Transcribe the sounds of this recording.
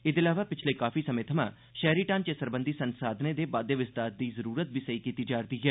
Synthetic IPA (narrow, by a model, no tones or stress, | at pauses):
ɪd̪ɪlaːʋaːpɪt͡ʃʰlekaːfʰiːsəɐmẽːt̪ʰəmã̰ː | ʃɛːɾiːʈãːnt͡ʃesəɾbə̃nd̪ʱiːsənsaːd̪ned̪eːbaːd̪eʋɪst̪aːɾd̪iːzəɾuːɾət̪̚bʱiːsəiːkiːt̪id͡ʒaːɾd̪iːɦɛː